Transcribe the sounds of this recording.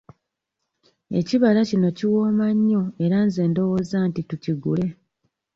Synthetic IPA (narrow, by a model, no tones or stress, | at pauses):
e̞̰ciβalacino̞ciwo̞ːmaɲːo̞e̞ɾanze̞ːndo̞wo̞ːzaːntituciɡule̞